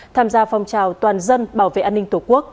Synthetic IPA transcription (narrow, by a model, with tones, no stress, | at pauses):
t̪ʰaː˧mzaː˧fɔ˨˩wŋ͡mt͡ɕaː˨˩wt̪waː˨˩nzə˧nɓaː˧˩wvḛ˧˨ʔaː˧nːï˧ŋ̟t̪u˧˩ku˦˥ək̚